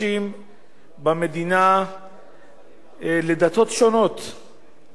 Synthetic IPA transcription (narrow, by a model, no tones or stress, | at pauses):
im | bamed̪ina | led̪at̪o̞t̪ʃo̞no̞t̪